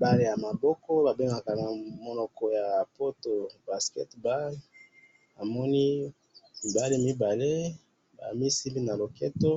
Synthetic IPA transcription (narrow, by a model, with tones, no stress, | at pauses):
ba˦le˦ja˨ma˨bɔ˦kɔ˦ba˨be˦ŋɡa˨ka˨na˨mo˨nɔ˨kɔ˨ja˨po˦to˨ba˨skɛ̰˦tba˦l | a˨mɔ˦ni˦ | i˨ba˦le˦mi˦ba˨le˦ | ba̰˨mi˦si˦mbi˦na˨lo˨ke˦to˦